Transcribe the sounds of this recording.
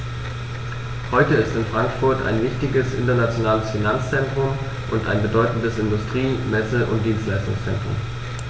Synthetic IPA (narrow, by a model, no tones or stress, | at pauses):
hɔʏtəɪstɪnfʁ̥aŋkfʊɐtʰa̰ɪnvɪçtɪɡəsʔɪ̰ntɐnat͡sjonaːləsfinant͡st͡sɛntʁ̥ʊm | ʔʊnta̰ɪnbədɔʏtn̩dəsɪndʊstʁ̥iːmɛsəʔʊ̰nt̚d̥iːnstlaɪstʊ̰ŋst͡sɛ̰ntʁ̥ʊ̰m